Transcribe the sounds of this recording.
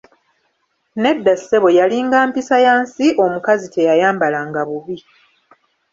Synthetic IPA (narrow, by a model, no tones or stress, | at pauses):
ne̞dːase̞βo̞jaliŋɡaːmpisajaːnsiʔo̞mukazitʰe̞jajaːmbalaŋɡaβuβi